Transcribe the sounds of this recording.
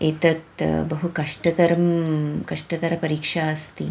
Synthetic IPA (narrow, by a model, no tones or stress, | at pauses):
eːt̪ɐt̪bɐɦukɐʂʈɐt̪ɐɾɐmkɐʂʈɐt̪ɐɾɐpɐɾiːkʂaːɐst̪i